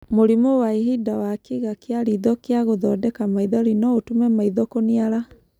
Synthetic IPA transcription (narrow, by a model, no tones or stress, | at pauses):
moɾimowaiɦidawakiɣakjaɾiðɔkjaɣoðɔdɛkamaiðɔɾinɔotumɛmaiðɔkoniaɾa